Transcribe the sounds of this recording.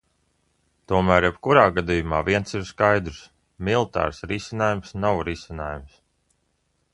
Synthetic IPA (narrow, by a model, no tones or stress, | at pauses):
t̪uɔmæːɾjɛbkuɾaːɡad̪ijumaːviɛnsiɾskajd̪ɾs | milˠt̪a̰ːɾsɾisʲinaːjumsnawɾisʲinaːjums